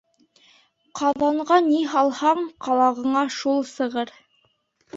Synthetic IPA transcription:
qʰɑðɑɴʁɑniɦɑlˠhɑɴqɑlˠɑʁɤ̆ɴɑʃulˠsɤ̆ʁɤɾ

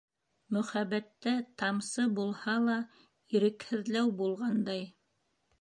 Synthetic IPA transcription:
mɵ̆χæβæt̪ːæt̪ɑmsɤbulˠhɑlˠɑ | iɾɘ̆khɘ̆ðlæwbulˠʁɑnd̪ɑj

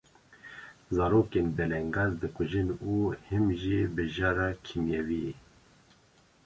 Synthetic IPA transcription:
zɑːɾoːkenbɛlɛŋɡɑːzd̪ɨkʰʊʒɨnuːhɨmʒebɨʒɑːɾɑːkʰimjɛviɛ

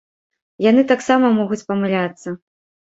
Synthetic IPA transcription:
jan̪ɨt̪aksamɐmɔɣut͡sʲpɐmɨlʲat̪sːɐ

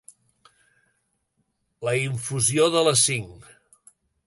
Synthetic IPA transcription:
ləiɱfuzioðələsiŋ

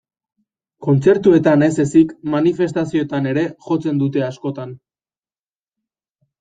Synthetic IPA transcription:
ko̞nt͡se̞ɾt̪ue̞t̪ane̞se̞sikmanife̞st̪asio̞t̪ane̞ɾe̞xo̞t͡se̞nd̪ut̪e̞asko̞t̪an

